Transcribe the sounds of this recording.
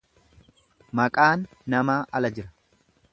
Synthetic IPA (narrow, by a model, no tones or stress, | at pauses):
mɐkʼaːnː | ɐmaːʔɐlɐd͡ʒɪɾɐ̥